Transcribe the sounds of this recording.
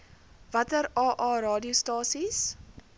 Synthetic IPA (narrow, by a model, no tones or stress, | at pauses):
vɐtəɾɑːʔɑːɾɑːdiəstɑːsis